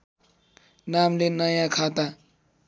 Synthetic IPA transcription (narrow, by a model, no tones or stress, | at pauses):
namlenʌjãkʰat̪a